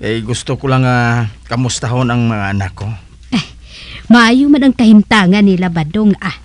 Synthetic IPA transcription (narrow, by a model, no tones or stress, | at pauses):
kajɡʊst̪okʊlaŋːakɐmʊst̪aɦonaŋmɐŋaʔanakːo | ʔaj | maʔaːjʊmanaŋkɐhɪmt̪aːŋanːilabad̪oŋa